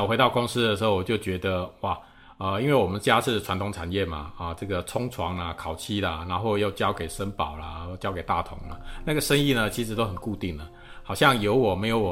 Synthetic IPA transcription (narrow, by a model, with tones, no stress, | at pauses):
we˧˥ɪt̪ɑ˥˩ʊkʊ˥ŋs̩˥d̪ə˨ʂɻ̩˧˥xo˥˩ʊwɔ˨˩t͡ɕjo˥˩ʊt͡ɕɥɛ˧˥d̪ə˧wa˥˨˩ | ə˧i˥nwe˥˩ɪwɔ˨˩mə˦nt͡ɕja˥ʂʰɻ̩˥˩ʈ͡ʂʰwa˧˥nt̪ʰʊ˧˥ŋʈ͡ʂʰa˨˩njɛ˥˩ma̰˨˩ə˨ʈ͡ʂɤ˥˩ɡə˩t͡sʰʊ˥ŋt͡sʰwɑ˧˥ŋlə˧kʰɑ˨˩ʊt͡ɕʰi˥˩lə˨na˧˥nxo˥˧ʊjo˥˩ʊt͡ɕjɑ˥ʊke˨˩ɪʂə˦˥npɑ˨˩ʊlɐ˦˥˧t͡ɕjɑ˥ʊke˨˩ɪt̪a̰˥˨t̪ʰʊ̰˨˥˦ŋlɐ˨na˥˩ɡə˩ʂə˥ŋi˥˩nə˩˨t͡ɕʰi˧˥ʂɻ̩˨˥t̪o˥xə˨˩nku˥˧t̪i˥˩ŋlə˩ | hɑ˨˩ʊɕjɑ˥˨ŋjo˧˥ʊwɔ˨˩me˧˥ɪjo˧˥ʊw